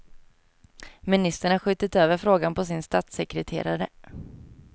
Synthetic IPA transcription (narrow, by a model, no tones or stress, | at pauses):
mɪnɪst̪əɳaɧʏːt̪ɪt̪øːvəɾfɾoːɡanpɔs̬ɪnst̪at̪sɛkɾɛt̪ʰḛːɾaɾə